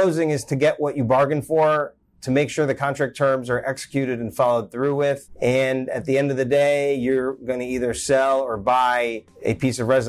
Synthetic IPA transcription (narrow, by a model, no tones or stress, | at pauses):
oʊzɪ̃ŋɨz̥tʰɨɡɛʔwʔʌt͡ʃɨbɑɹɡɨ̃nfə˞ | tʰɨmeɪkʃʊɹðɨkʰɑ̃ntɹ̥æk̚tʰɜ̃˞mzə˞ʔɛksə̥kʰj̥ʉɾɨɾ̃nfɑlˠoʊd̪̚θɹuwɪðɨ̃nɨ̰t̪̚ðiɛ̃ndʌvðɨdeɪjə˞ɡʌ̃nɨiðə˞sɛlˠə˞baɪ | ɨ̰pʰisʌvɹɛz